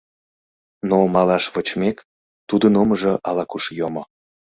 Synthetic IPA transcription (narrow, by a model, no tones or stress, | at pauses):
nomɑlɑʃβot͡ɕmek | t̪ud̪ənoməʒoʔɑlɑkuʃjomo